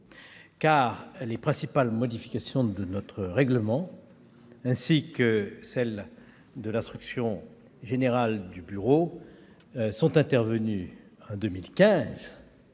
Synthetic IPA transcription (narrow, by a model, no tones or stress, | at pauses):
kaʁlepχɛ̃sipalmɔd̪ifi̥kasjɔ̃d̪ənɔt̪χəʁɛɡləmɑ̃ | ɛ̃sikəsɛl | d̪əlɛ̃st̪χyksjɔ̃ | ʒeneʁald̪ybyʁo | sɔ̃t̪ɛ̃t̪ɛʁvəny | ɑ̃d̪ømilkʲɛ̃z